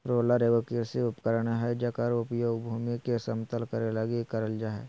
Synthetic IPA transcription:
pɾoːlaɾeʋokiɾsiʊpkəɾəɳɦɛd͡ʒaːkaɾoːpjobʱuːmikesəmt̪əlkəɾelaɡikəɾəld͡ʒaːɦɛ̰

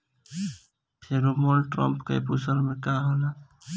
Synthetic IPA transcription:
pʰeɾomolʈɾɔ̰mpkḛpusəɾmekaɦola

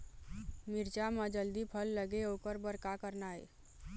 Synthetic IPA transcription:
miɾt͡ʃaməd͡ʒəld̪ipʰəlːəɡeokəɾbəɾkakəɾnae

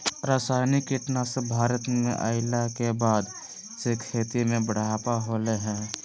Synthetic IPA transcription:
ɾaːsaːɪnikeʈnasebʱaːɾət̪mḛ̃ʔa̰ːɪlakebaːd̪ | sekʰeːt̪imẽbəɽ̤aːpaɦoːleɦɛ̃ː

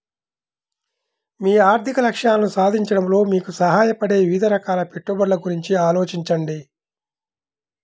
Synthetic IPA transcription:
miːaːɾt̪ʰikɐlɐkʂaːlɐnusaːd̪ʱiɲt͡ʃɐɽɐmlo̞ːmiːkusɐɦaːjɐpɐɽe̞ːʋid̪ʱɐɾɐkaːlɐpe̞ʈːubɐɾlɐɡuɾiɲt͡ʃiaːlo̞ːt͡ʃiɲt͡ʃɐɳɖi

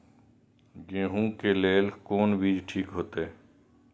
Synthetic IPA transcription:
ɡẽːɦũːkeːleːlkoːnbiːd͡ʒʈʰiːkɦoːt̪eː

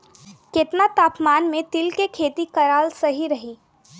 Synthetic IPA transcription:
ket̪nat̪aːpmaːnmẽt̪ɪlkekʰeːt̪ikɐɾaːlsɐɦiɾɐɦiː

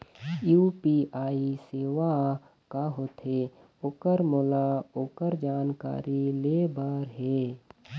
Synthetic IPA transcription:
juːpiaːiseːʋa | kaɦoːt̪ʰe | oːkəɾmoːlaoːkəɾd͡ʒaːnka̰ːɾileːbəɾɦeː

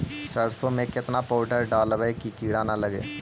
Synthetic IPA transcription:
səɽsõmẽkɪt̪napoːɖəɾɖaːlʋəkikiːɽanaləɡḛː

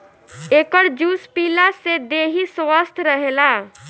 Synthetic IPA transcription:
ekəɾd͡ʒuspilased̪eɦisʋəst̪ʰɾəɦela

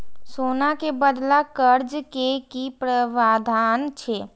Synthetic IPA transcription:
soːnakebəd̪lakəɾd͡ʒkekipɾəʋaːd̪ʱaːnt͡ʃʰeː

